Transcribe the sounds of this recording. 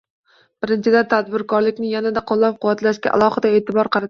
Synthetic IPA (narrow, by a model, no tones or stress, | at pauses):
b̥ɪɾɪnt͡ʃʰɪd̪at̪ʰad̪̚bɪɾkʰɒɾlɪkʲnɪjanad̪aqʰolˠːɒp̚qʰʊwat̪laʃkʲa̰ʔa̰lˠɒhɨd̪ae̞ːt̪ʰɪbɒɾqʰɑɾa